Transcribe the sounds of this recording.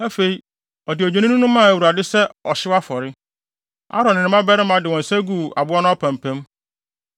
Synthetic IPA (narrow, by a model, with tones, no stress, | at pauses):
æ˦fe˨i˦ | ɔ˨dɪ˨ɔ˨d͡ʑẽ˨˦nɪ̃˦nũ˦nʊ̃˦mã˦˨æ˨wu˨ɾa˨dɪ˦sɛ˦ɔ˨ɕɪ˦wa˦fɔ˨ɾɪ˦ | a̰˦ɾɔ̃˨nɪ̃˨ɪ̃˨˦mã˦bɛ˦ɾɪ˦mã˨dɪ˨wɔ̃˨n̩˨sɛ˦ɡu˦˨a˨bʊ˦a˦nʊ̃˦pʰã˨m˨pʰɛ̃˦m